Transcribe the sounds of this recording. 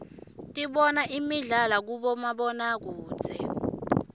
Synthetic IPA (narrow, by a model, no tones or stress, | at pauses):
tʼiɓɔnaʔimiɮalak̬uɓɔmaɓɔnak̬u̥ːt͡sʰɛ